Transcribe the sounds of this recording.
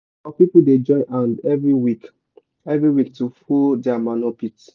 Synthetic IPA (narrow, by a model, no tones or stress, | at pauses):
apipuded͡ʒɔ̃ɪ̃nʔãndɛvɹiwik | ɛvɹiwik̚tufudɛamanɔpit